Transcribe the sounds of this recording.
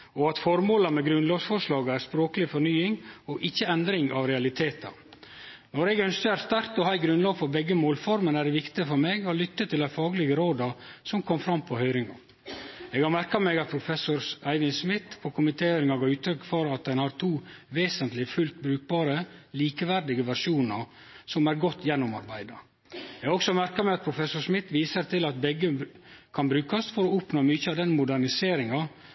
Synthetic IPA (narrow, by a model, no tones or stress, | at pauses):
ɔɑt̪fɔɾmoːləmɛɡɾʉnlɑːʋsfɔʂlɑːɡəæɾspɾoːkəlɪfɔɾnyːɪŋɔʔɪçːəɛnd̪ɾɪŋʔɑʋɾɛɑlɪt̪ʰeːt̪ɑ̰ | nɔɾɛɡœnskəæɾst̪æɾt̪ɔhæɪɡɾʉnlɑːɡfɔɾbɛɡːəmoːlfɔɾmənæɾɛʋɪkt̪ɪəfɔɾmeːɡɔlʏt̪ːət̪ʰːɪlæɪfɑːɡlɪɡəɾoːd̪ɑsɔmkʰɔmfɾɑmpʰɔhœʏɾɪŋɑ̰ | eːɡhɑɾmæɾkɑmeːɡɑt̪̚pʰɾʊfɛsʊɾæɪʋɪnsmɪt̪pʰɔkʰʊmɪt̪ʰeːhœɾɪŋɑɡʉːt̪ʰɾœkːfɔɾɑt̪̚d̪ɛnhɑɾt̪ʰuːʋeːsənt̪lɪfʉlt̪bɾʉːk̚bɑːɾəliːkəʋæɾɖ̪ɪɡəʋæɾʂuːnə | sɔmæɾɡɔt̪ʰːjɛnːʊmɑ̰ɾbæɪd̪ə | ɛɡɑɔksɔmæɾkɑmɛɑt̪̚pʰɾʊfɛsʊʂmɪt̪ʋiːsəɾt̪ʰɪlɑt̪̚bɛɡːə | kʰɑnbɾʉːkɑsfɔɾɔʊpnoːmʏçəɑd̪ɛnmʊd̪æɾnɪseːɾɪŋɑ